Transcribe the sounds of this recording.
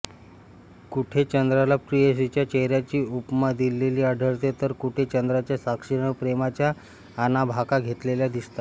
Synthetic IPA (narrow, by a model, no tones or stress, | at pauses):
kuʈʰet͡ɕənd̪ɾalapɾiesit͡ɕjat͡ɕeɦɾjat͡ɕiːupmad̪ilːeliːaɖʱəɾt̪et̪əɾkuʈʰet͡ɕənd̪ɾat͡ɕjasakʂiɽ̃əpɾemat͡ɕjaː | nabʱakaɡʱet̪leljad̪ist̪a